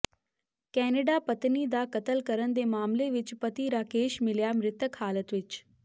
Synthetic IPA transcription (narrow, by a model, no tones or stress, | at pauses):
kɛːneɖapɐt̪nid̪aːkɐt̪əlkɐɾənd̪eːmaːmleʋɪt͡ʃpɐt̪iɾaːkeːʃmɪljamɾɪt̪əkhaːlət̪ʋɪt͡ʃ